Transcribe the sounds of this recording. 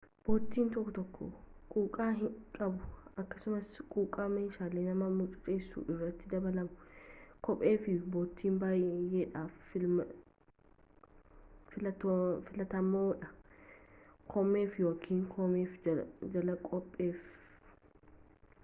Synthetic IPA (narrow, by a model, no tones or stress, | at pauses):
b̥oːt̪ːiːnt̪ɔkːɔt̪ɔkːo̰kʼuːkʼaːɦɪkʼɐbʊɐkːɐsʊmɐskʼuːkʼaːmeːʃaːleːnɐmɐmʊt͡ʃʼʊ̥t͡ʃʼeːsːṵːʔɪrːɐt̪ːɪd̪ɐbɐlɐmʊkʼɔpʼe̞ːfɪboːt̪ːiːmbaːjjeːᶑaːfɪ | fɪlɐt̪ːfɪlɐt̪ɐmːoːᶑɐ | kʰɔmːe̞ːfjoːkʰiːŋkʰɔmeːfd͡ʒɐlɐkʼɔpʼːe̞ːf